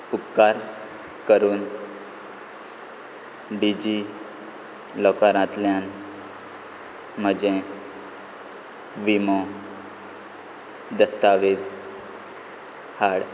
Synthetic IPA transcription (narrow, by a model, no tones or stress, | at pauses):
upkaɾ | kəɾuːn | ɖid͡ʑi | lɔkaɾãt̪ljan | m̤əd͡ʑe | ʋimo | d̪əst̪aʋet͡s | haɽ